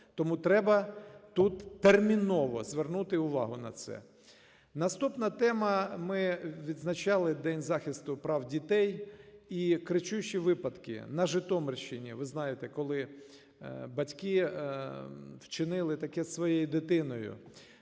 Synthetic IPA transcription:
t̪ɔmut̪ɾɛbɐt̪ut̪ːermʲinɔʋɔzʋernut̪ɪʊʋɑ̰ɦʊnɐ̰t̪sɛ̰ | nɐst̪upnɐt̪ɛmɐmɪʋʲid̪znɐt͡ʃɑlˠɪd̪ɛnʲzɑxʲɪst̪ʊpɾɑwdʲit̪ɛjikɾɪt͡ʃuʃiʋɪpɐd̪kɪ̰nɐʒɪt̪ɔmɪrʃɪnʲḭʋɪznɑjet̪ɛkɔlˠɪ | bɐtʲkɪ | wt͡ʃɪnɪlˠɪt̪ɐkɛssʋɔjejid̪ɪt̪ɪnɔjʊ̰

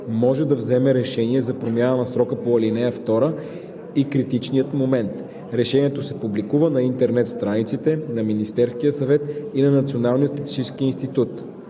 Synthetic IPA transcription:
mɔʒɛd̪ɐvzɛmɛɾɛʃɛniɛzɐpɾomʲjanənɐsɾɔkəpoɐlinɛjəft̪ɔɾə | ikɾit̪it͡ʃnijət̪momɛnt̪ | ɾɛʃɛniɛt̪osɛpublikuvənɐint̪ɛɾnɛt̪st̪ɾanit̪sit̪ɛnɐminist̪ɛɾskijəsɐvɛt̪inɐnɐt̪sionalˠnijət̪st̪ɛt̪i̥t͡ʃiskiinst̪it̪ut̪

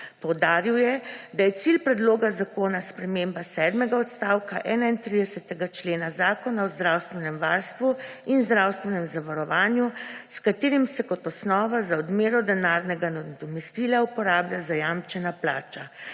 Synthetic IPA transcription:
pɔwd̪aːɾiwjɛd̪ajɛt̪silpɾɛd̪loːɡazakoːnaspɾɛmembasɛd̪mɛɡaɔt̪st̪aːwkaʔɛːnaint̪ɾid̪ɛsɛt̪ɛɡat͡ʃleːnazaːkɔnaɔzd̪ɾawst̪ʋɛnɛmʋaːɾst̪ʋuinzd̪ɾawst̪ʋɛnɛmzaʋaɾɔʋaːnjuskat̪eːɾimsɛkɔt̪ɔsnɔːʋazaɔd̪meːɾɔd̪ɛnaɾnɛɡanad̪ɔmɛst̪ilaupɔɾaːblʲjazajamt͡ʃɛnaplaːt͡ʃa

